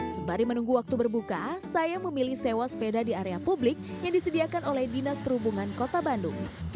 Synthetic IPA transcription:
səbaɾimənuŋɡuwak̚t̪ubərbukasajaməmilihsewaspedadiaɾeapublɪk̚jaŋdisədiakanolɛhdinaspərhubuŋankot̪abandʊ̰ŋ

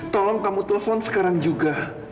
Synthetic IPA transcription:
t̪ɔlɔŋkamut̪eləfɔnsə̥kaɾaŋd͡ʒuɡa

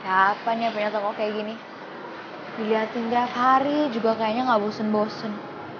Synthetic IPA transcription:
d̥apanjap̬uɲat̪ɔkɔʔkajaɡini | d̥iliɦat̪ɪnkajapɦaɾid͡ʒuɡakajaɲaŋɡabosənbosən

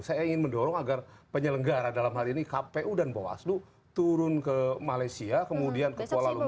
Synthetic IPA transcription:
sajaiŋɪnməndɔɾɔŋaɡarpəɲələŋɡaɾadalamɦaɾiinikapeʔudanboa̰sdʊ | t̪uɾʊnkəmalajsiakəmudiankəpoalalu

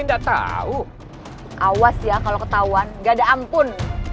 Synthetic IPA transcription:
indaʔt̪a̰u | ʔawasjakalokət̪auanɡadaʔampʊn

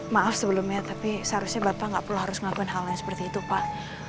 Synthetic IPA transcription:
maafsəbəlʊmɲat̪apisəaɾʊsɲabapaŋɡaʔpulahɦaɾʊsŋakuanɦalɲasə̥pərt̪iːt̪upaʔ

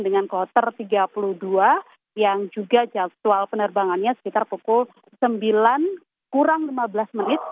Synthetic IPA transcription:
dəŋankɔt̪ərt̪iɡapuluhdua | jaŋd͡ʒuɡad͡ʒasualpənərbaŋanɲasə̥kit̪arpukʊl | səmbilan | kuɾaŋlimabəlasmənɪt̪̚

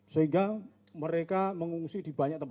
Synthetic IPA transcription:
səɦiŋɡa | məɾekaməŋuŋsid̥i̤baɲak̚t̪əmp

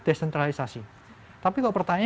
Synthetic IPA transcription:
d̪̥esɛnt̪ɾalisasi | t̪apikɔʔpərt̪aɲ

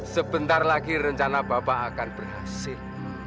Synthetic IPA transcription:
səb̥ənt̪arlaɡiɾəɲt͡ʃanabapaːkanb̥ərɦasɪl

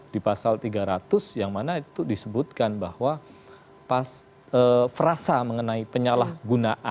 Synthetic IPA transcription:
d̥ipasalt̪iɡaɾat̪ʊsjaŋmanait̪udisəbut̪̚kanbahwa | pas | əfəɾasaməŋənaipəɲalahɡunaʔa

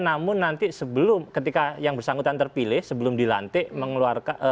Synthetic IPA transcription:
namʊnːant̪isəbəlʊmkət̪ikajaŋbərsaŋɡut̪ant̪ərpilɪhsəbəlʊmdila̰nt̪ɪʔməŋəluarka

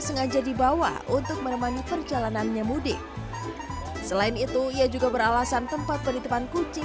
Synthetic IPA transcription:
səŋad͡ʒadibawa̰ʔunt̪ʊk̚məɾəmanipərd͡ʒalananɲamudɪ | səlaɪnit̪uiad͡ʒuɡabəɾalasant̪əmpat̪̚pədit̪əpankut͡ʃi

